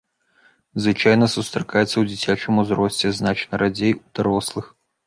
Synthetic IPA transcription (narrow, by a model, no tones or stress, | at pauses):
zvɨt͡ʃajnɐsust̪ɾɐkajɛt̪sːɐwd͡zʲit͡sʲat͡ʃɛmʊzɾɔsʲt͡sʲɛznat͡ʃnɐɾʔad͡zʲɛjud̪̥aɾɔslˠɨx